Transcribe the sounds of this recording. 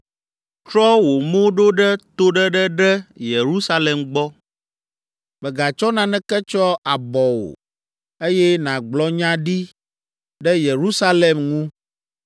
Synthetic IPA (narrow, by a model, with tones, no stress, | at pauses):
t͡ʃɾɔ˦wo˨mõ˦ɖo˦ɖɛ˦t̪o˦ɖɛ˦ɖɛ˦ɖɛ˦je˨ɾu˦sa˦lɛ˨mɡ͡bɔ˦ | bɛ˨ɡa˨t͡ʃɔ˦nã˨nɛ̃˦kɛ˦t͡ʃɔ˦a˨bɔ˨wo̰˨ | e˦jɛ˦nã˨ɡ͡blɔ˦ɲã˦ɖi˦ | ɖɛ˦je˨ɾu˦sa˦le˨mŋũ˦